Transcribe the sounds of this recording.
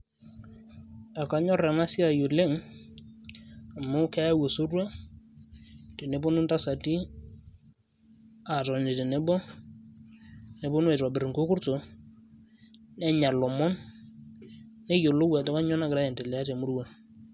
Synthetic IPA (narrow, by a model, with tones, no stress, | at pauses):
a˨ka˨˦ɲɔ˦rɛ˨na˦sɪ˦a˨jo˨le˦ŋ | a˨mʊ˦kɛ˦a˦wo˨so˦rwa˦ | te˨ne˨˦bʊ˦nʊ˦nta˦sa˨ti˦ | a˨tɔ˨n˨de˨te˨ne˦bɔ˦ | ne˨bʊ˦nʊ˦e˨ta˨bɪ˨ɾɪ˨ŋkʊ˦kʊ˦rto˨ | nɛ˦ɲa˨lɔ˨mɔ˦n | ne˦jo˨lo˦wɛ˨tɔ˦ka˦ɲɔ˦na˦kɪɾa˦ɛ˨te˨lɛ˨a˦te˨mʊ˦ɾwa˨